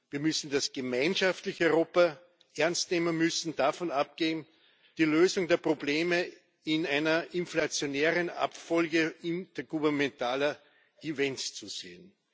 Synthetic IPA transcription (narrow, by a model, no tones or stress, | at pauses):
viːɐmʏsn̩d̥asɡ̥əmæɪnʃaftlɪçʏʁoːpa | ʔɛɐnstneːmənmʏsn̩dafɔnap̚ɡ̥eːm̩ | d̥iːløːzʊŋdeːɐpʁ̥obleːmə | ɪnæɪnɐʔɪnflat͡sjoneːʁəna̰pfɔlɡəɪntɐɡ̥uvɛɐnmɛntaːlɐ | ivɛnst͡suz̥ḛːən